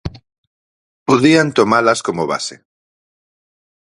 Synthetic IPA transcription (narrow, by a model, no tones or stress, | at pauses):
poðiant̪omalaskomoβa̰sḛ